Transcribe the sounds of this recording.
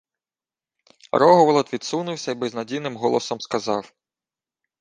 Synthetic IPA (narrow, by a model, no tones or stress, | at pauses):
ɾɔɦɔʋɔlˠɔt̪ʋʲid̪sunʊwsʲɐibɪznɐdʲijnɪmɦɔlˠɔsɔmskɐzɑw